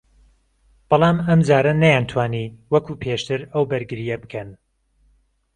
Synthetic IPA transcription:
b̥ɑlˠɑːmɐmd͡ʒaːɾɐnɐjant̪ʰwaːniːwɐkuːpʰeːʃt̪ʰɨɾɐwbɨɾɡɨɾijɐbɨkʰɐn

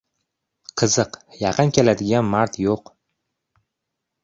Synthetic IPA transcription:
qʰɨzɨqjɑqʰɨnkʲelad̪ɪɡʲanmaɾt̪ʰjoq

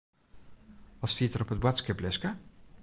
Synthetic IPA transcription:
ɑstiːtəɾɔpət̚bwatskɛplɛskə

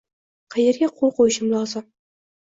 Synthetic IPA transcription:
qʰɑjeɾɡʲaqʰolˠqʰojɪʃɪmlˠɒzɨm

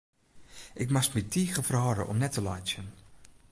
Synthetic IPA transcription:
ʔɪkmastmitʰiːɣəfərɦɔɾə̰ʔɔmnɛtəlɔjsjən

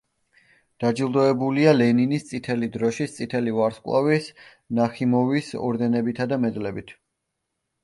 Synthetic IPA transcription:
d̪̥ad͡ʒilˠd̪ɔɛbulialɛninist̪sʼit̪ʰɛlid̪ɾɔʃist̪sʼit̪ʰɛlivaɾskʼwa̰vis | naχimɔvisɔ̰ɾd̪ɛnɛbit̪ʰad̪amɛd̪lɛbit̪ʰ

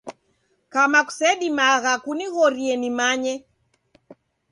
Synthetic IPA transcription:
kamaku̥sɛɗimaɣakuniɣɔɾiɛnimaɲɛ

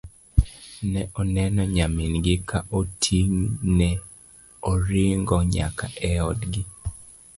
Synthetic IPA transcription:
nɛʔɔnɛnɔɲamɪnɡɪkaʔotʰiŋnɛ | ɔɾɪŋɡɔɲa̰kaʔɛɔdɡɪ

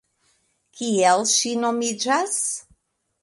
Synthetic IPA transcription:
kiɛlʃinomid͡ʒas

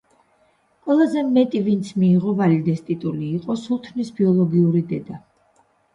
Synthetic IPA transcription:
qʼwɛlˠazɛmɛt̪ʼivint̪sʰmiːʁɔvalid̪ɛst̪ʼit̪ʼuliːqʼɔsulˠt̪ʰvnisbiɔlˠɔɡiuɾid̪ɛd̪a

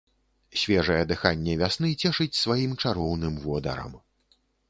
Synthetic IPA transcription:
sʲvʲɛʐɐjɛd̪ɨxanʲːɛvʲasn̪ɨt͡sʲɛʂɨt͡sʲsvajimt͡ʂaɾɔwnɨmvɔd̪ɐ̰ɾɐ̰m

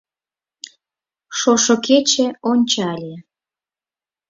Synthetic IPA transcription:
ʃoʃoket͡ɕĕonʲt͡ɕɑlʲe

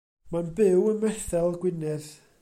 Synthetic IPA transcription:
manbɪwənmɛθɛlˠɡwɪnɛð

